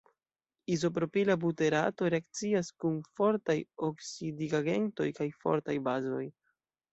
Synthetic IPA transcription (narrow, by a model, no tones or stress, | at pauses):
izo̞p̬ɾo̞pilabute̞ɾa̰to̞ɾe̞ak̚t͡siaskunfo̞ɾtajoksidiɡaɡe̞̰nto̞jkajfo̞̰ɾtajbazo̞j